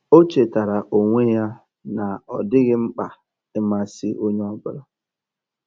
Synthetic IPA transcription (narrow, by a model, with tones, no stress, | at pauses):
o˦t͡ʃe˨ta˨ɾa˨ʔo˨ŋʷe˦ja˦ | na˨ɔ˨dɪ˦ɣɪ˦ŋ͡m̩˦k͡pa˨ | ɪ˦ma˦˨si˦ʔo˦ɲe˦ɔ˦bʊ˦ɾɔ˦